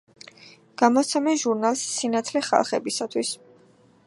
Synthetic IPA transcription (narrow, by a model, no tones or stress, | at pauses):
ɡ̥amɔt̪sʰɛmɛʒuɾnalˠsːinat̪ʰlɛχa̰lˠχɛbisat̪ʰwis